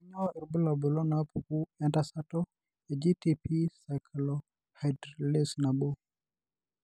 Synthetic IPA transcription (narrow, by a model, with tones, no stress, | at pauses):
i˦ɲɔ˦i˨ɾbu˦la˨bɔ˨lɔ˦na˨˦pu˨ku˦ɛ˦nta˦sa˦tɔ˦ | e˨d͡ʒi˦ti˨pi˦sa˨kʰlɔ˦ | ha˨dle˦sna˨ɓɔ˦